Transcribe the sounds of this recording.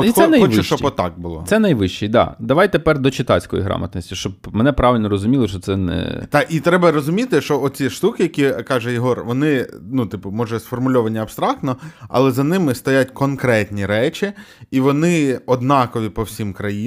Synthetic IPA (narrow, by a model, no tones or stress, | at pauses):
ɔixɛnɐjɔʋt͡ʃɛʃt͡ʃɔɔt̪ɑ̰ɡ̚bʊlˠɔ̰sɛnɐjʋɪʃt͡ʃid̪ɑ̰d̪ɐʋɑjt̪epɛrd̪ɔt͡ʃɪt̪ɑ̰t͡sʲsʲkɔjḭɦɾɑ̰mɐt̪nɔsʲtʲiʃt͡ʃɔb̚mɛnɛpɾɑʋʲɪlʲnɔɾɔzʊmʲilˠɔʃt͡ʃɔt̪sɛnɛ̰t̪ɑʔit̪ɾɛbɐɾɔzʊmʲit̪ɪʃt͡ʃɔɔt͡sʲiʃt̪ukɪjɐkʲikɑʒɛjɪɦɔrʋɔnɪnut̪ɪpʊmɔʒɛsfɔrmʊlʲɔʋɐnʲiɐpst̪ɾɑk̚t̪nɔɐ̰lˠɛzɐnɪmɪst̪ɔjatʲkɔnkɾɛtʲnʲiɾɛt͡ʃʲiːʋɔnɪɔd̪nɑkɔʋʲipɔwsʲimkɾɐji